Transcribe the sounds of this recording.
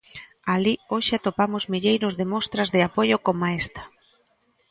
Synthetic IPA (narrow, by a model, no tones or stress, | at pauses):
alioʃɪat̪opamʊzmiʎejɾʊzðɪmost̪ɾɐzðɪapoʎʊkomaest̪ɐ̥